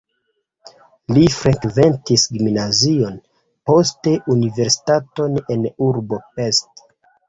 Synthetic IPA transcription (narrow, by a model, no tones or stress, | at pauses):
lifɾeakve̞ntisɡiminazio̞n | po̞ste̞ʔunive̞ɾsi̥tato̞nenuɾbo̞pe̞st